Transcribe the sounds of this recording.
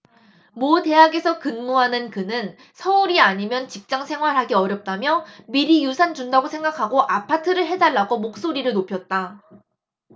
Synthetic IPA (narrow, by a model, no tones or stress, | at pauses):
mote̞ɦaɡe̞sʰʌkɯnmuɦanɯnkɯnɯn | sʰʌuɾiaɲimjʌnt͡ɕik̚t͡ɕ͈aŋsʰe̞ŋɦwaɾɦaɡiʌɾjʌp̚t͈amjʌmiɾijusʰand͡ʑundaɡosʰe̞ŋɡakʰaɡoʔapʰatʰɯɾɯɭɦe̞daɭːaɡomok̚s͈oɾiɾɯɭnopʰjʌt̚t͈a